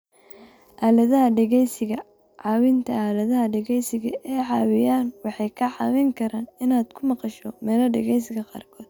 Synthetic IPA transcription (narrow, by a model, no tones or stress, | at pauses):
ʔaːlɐðɐɦɐɖɛɣɛjsɪɣɐ | ʕɑːwɪnt̪ʰɐaːlɐðɐɦɐɖɛɣɛjsɪɣɐ̰ʔɛːʕɑːwɪjaːnwɑħɑjkʰɐʕɑ̰ːwɪŋkʰɐɾaːnɪnaːd̪̥kʰʊmɑqɑʃɔmɛːlɐɖɛ̰ɣɛjs̬ɪɣɐqɑ̰ːrkʰɔːd̪̥̚